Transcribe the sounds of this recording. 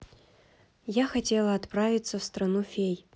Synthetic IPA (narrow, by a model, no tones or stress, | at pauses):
jaxɐtʲelˠəɐt̪pravʲit̪səfst̪ɾɐnufʲej